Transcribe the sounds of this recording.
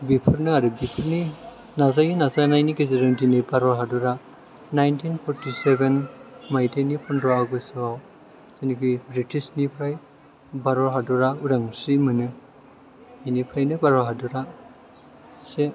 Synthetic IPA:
bipʰɯɾnɯaɾɯbipʰɯɾni | nazajinazanajnikezeɾɯntinɯbaɾɔɾɦaduɾa | najntinpʰɔɾtisebenmajtenipʰɔnɾɔaɡɯsɯwaw | senikɯjbɾitisnipʰɾaj | baɾɔɾɦaduɾauɾaŋsimɯnɯ | inipʰajnɯbaɾɔɦaduɾa | se

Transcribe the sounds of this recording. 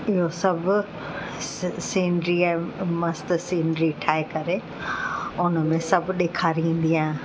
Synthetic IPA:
ɪɦosɐbʱʊ | sĩːɳɖɾiɛ̃mɐst̪sĩːɳɖɾiʈʰaːekɐɾe | ʊnəmẽsɐbʱʊɗeːkʰaːɾiĩːn̆d̪ijãːɦẽ

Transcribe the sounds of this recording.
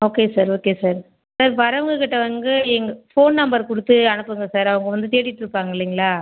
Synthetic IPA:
oːkeːsaːɾoːkeːsaːɾ | saɾʋɐɾɐʋɐŋɡɐkɪʈːɐʋɐŋɡɯɛŋɡɐfoːnnɐmbɐɾkʊɽɯt̪ːɯɐnɯpːɯŋɡɐsaːɾɐʋɐŋɡɐʋɐnd̪ɯt̪eːɽɪʈːɪɾɯpːaːŋɡɐɪlːiŋɡɐɭaː

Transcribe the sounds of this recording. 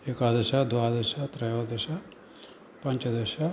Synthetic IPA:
ekaːd̪ɐʃɐd̪ʋaːd̪ɐʃɐt̪ɾɐjoːd̪ɐʃɐ | pɐɲt͡ʃɐd̪ɐʃɐ

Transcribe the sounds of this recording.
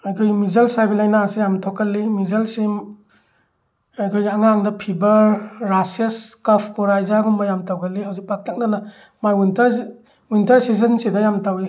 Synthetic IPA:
ajkʰojɡimizɐlsajbilajnasijamtʰɔkːɐlːimizɐlsim | ajkʰojɡiaŋaŋdɐpʰibɐɾːasiɐskapʰkɔɾajzaɡumbɐjamtawɡɐlːiɦawzik̚pak̚tʰak̚nanɐ | majintɐɾ | wintɐɾsizɐnsedɐjamtawi

